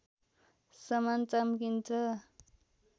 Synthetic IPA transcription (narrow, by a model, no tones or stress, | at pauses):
sʌmant͡samkint͡sʌ